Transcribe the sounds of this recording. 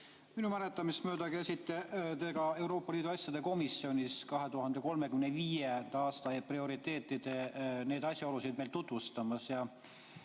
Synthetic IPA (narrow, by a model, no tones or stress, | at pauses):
minumæle̞t̪ːˑɑmist̪mø̞ːd̪ɑɡesʲit̪ːet̪e̞ɡɑe̞wɾo̞ːpːˑɑliːd̪uɑsʲjɑd̪e̞ko̞misːio̞nʲiskɑɦe̞t̪uɦɑnd̪e̞ko̞lme̞kymneviːjend̪̥ɑɑːst̪ɑeprio̞ɾit̪ːˑe̞ːt̪ːˑid̪̥e̞ne̞ːd̪ɑsʲjɑo̞lusid̪̚me̞jlt̪ut̪vust̪ɑmɑsjɑ